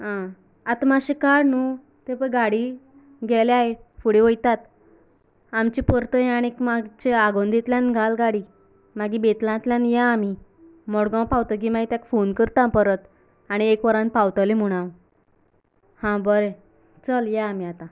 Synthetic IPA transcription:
ɦã | at̪maɕekaɽnu | t̪epəɡaɽi | ɡʱɛleaɦefuɽeʋəjt̪at̪ | amt͡ɕipəɾt̪ə̃aɽ̃iekmaɡt͡ɕeaɡond̪ʱet̪ljãnɡʱalɡaɽi | maɡibet̪lãt̪ljãnjaːmi | mɔɽɡãwpawt̪ək̬imaɡit̪akfonkəɾt̪ãpəɾət̪ | aɽ̃iekʋəɾãn̚pawt̪əlem̤uɽ̃aw | hãbəɾe | t͡səljaːmiat̪ã

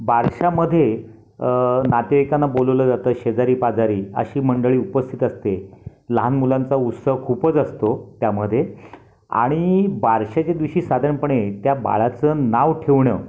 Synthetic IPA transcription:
bʱaɾɕaməd̪ʱːje | nat̪jeʋikanːaboləʋləd͡zat̪əːɕed͡zaɾiːpad͡zaɾiːə̰ɕiːməɳɖəɭiːupəst̪ʰit̪əst̪eləɦanmulãnt͡saut̪səɦkʰupət͡səst̪ot̪jaməd̪ʱje | a̰ɽ̃ibʱaɾɕat͡ɕad̪ʋiɕiːsad̪ʱəɳpəɳet̪jaba̰ɭat͡sənaʋʈʰeʋɳə

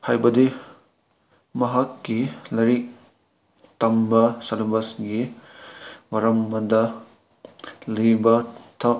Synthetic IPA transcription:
hajbɐdi | mɐɦɐkːilɐɾi | tɐmbɐsɐlbɐsɡi | wɐɾɐmːɐdɐ | libɐtʰɐ

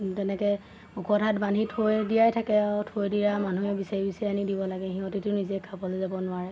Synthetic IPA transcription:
tɛnɛkɛ | ukɔtʰatban̤itʰojdijajtʰakɛtʰojdijamanuɛbisaibisianidibɔlaɡɛɦĩɔtitʊnizɛkʰabɔlezabɔnʊaɹɛ

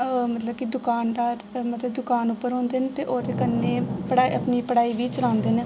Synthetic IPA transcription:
mət̪ləbkɪd̪ʊkaːnd̪aːɾmət̪ləbd̪ʊkaːnʊpːəɾɦõːnd̪eːnet̪eːʔoːt̪eːkənːeːpəɽaːiʔəpniːpəɽaːiːʋiːt͡ʃəlãːnd̪eːneː

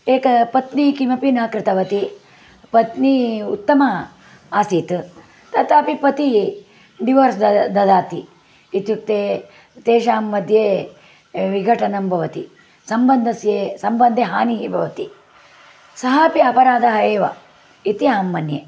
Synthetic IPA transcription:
eːkɐpɐt̪nikimɐpinaːkɾɪt̪ɐʋɐt̪i | pɐt̪niut̪ːɐmɐ | aːsiːt̪ | t̪ɐt̪aːpipɐt̪i | ɖiʋɐɾsd̪ɐd̪aːt̪iː | t̪juk̚t̪eː | t̪eːʃaːmːɐd̪ʱjeː | ʋiɡʱɐʈɐnɐmbʱɐʋɐt̪ḭ | sɐmbɐnd̪ʱɐsjeːsɐmbɐnd̪ʱeɦaːniɦibʱɐʋɐt̪i | sɐɦaːpiɐpɐɾaːd̪ʱɐɦɐeːʋɐ̰ | it̪iaːmːɐnje

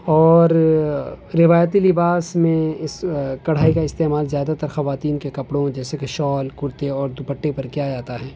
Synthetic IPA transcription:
ɔːɾ | ɾɪʋaːjət̪̬ilɪbaːsmẽɪskɐɽ̤aːikaɪst̪eːmaːlzjaːd̪at̪ɐɾxɐʋaːt̪iːnkekɐpɽõd͡ʒɛːsekeʃɔːlkʊɾt̪eɔːɾd̪ʊpɐʈːepɐɾkjad͡ʒaːt̪aɦɛː

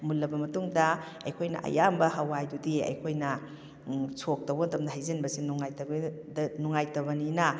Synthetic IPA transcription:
mulːɐbɐmɐtuŋdɐ | ɐjkʰojnɐ̰ʔɐ̰jambɐɦɐwajdudiɐ̰jkʰojnɐ | sʰok̚tɐwbɐntɐmdɐɦajzɐnbɐsinuŋajtɐ | nuŋajtɐbɐninɐ

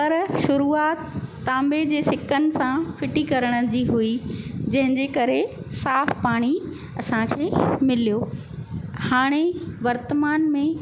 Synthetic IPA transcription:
pɐɾʃʊɾuːaːt̪ː | ãːmbed͡ʑeːsɪkʰənɪ̆sãfɪʈikɐɾəɽ̃ə̆d͡ʑiːɦuid͡ʑɐ̃ɦɪ̃ɲd͡ʑekɐɾe | saːfpaːɽ̃i | ɐsãkʰeːmɪlijoː | haːɽ̃eʋɐɾt̪əmaːnmẽ

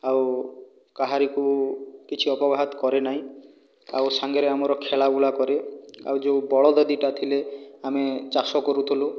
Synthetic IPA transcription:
aw | kaɦaɾikukit͡ʃʰiɔpɔbaɦɔt̪kɔɾenaɦĩ | a̰wsaŋɡeɾeamɔɾɔkʰeɭabuɭakɔɾea̰wd͡ʒeubɔɭɔd̪ɔd̪iʈat̪ʰileamet͡ʃasɔkɔɾut̪ʰilu

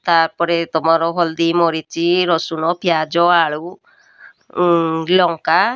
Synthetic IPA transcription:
t̪aɾpɔɾet̪ɔmaɾɔɦɔld̪imɔɾit͡ʃiɾɔsunɔpʰjad͡ʒɔaɭu | lɔŋka

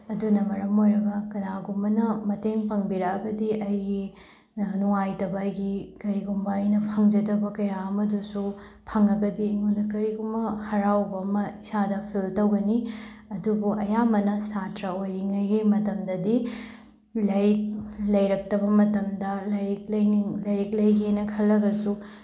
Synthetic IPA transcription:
ɐdunɐmɐɾɐmojɾɐɡɐkɐnaɡumbɐnɐmɐteŋpʰɐŋbiɾɐkɐɡɐdiʔɐjɡi | nuŋajtɐbɐːjɡikɐɾiɡumbɐːjnɐpʰɐŋd͡ʒɐdɐbɐkɐjaɐmɐdusu | pʰɐŋɐɡɐdiːŋundɐkɐɾiɡumbɐhɐɾawbɐːmɐisadɐpʰiltɐwɡɐni | ɐdubuʔɐjamɐnɐsatɾɐojɾiŋɐjɡimɐtɐmdɐdi | lɐɾik̚lɐjɾɐk̚tɐbɐmɐtɐmdɐlɐjɾik̚lɐjiŋlɐjɾik̚lɐjɡenɐkʰɐlːɐɡɐsu

